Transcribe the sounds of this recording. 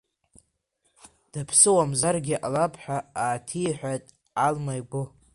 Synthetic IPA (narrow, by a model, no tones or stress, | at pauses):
d̥apʰsɨwamzarɡʲɪʔalapʰħʷᶣaaːtʰijħʷᶣatʼ | almajɡʷʊ